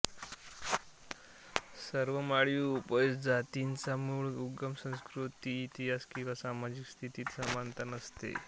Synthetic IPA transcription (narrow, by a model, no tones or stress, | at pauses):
səɾʋəmaɭjuːpəsd͡zat̪int͡samuɭuɡəmsə̃w̃skɾut̪iːt̪iɦaskĩw̃ʋasamad͡ʑikst̪ʰit̪iːt̪səmant̪anəst̪ḛ